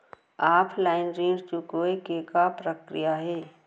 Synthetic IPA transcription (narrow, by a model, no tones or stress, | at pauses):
aːpʰlaːɪnɾĩːɾt͡ʃukoːekekapɾəkɾijaɦɛː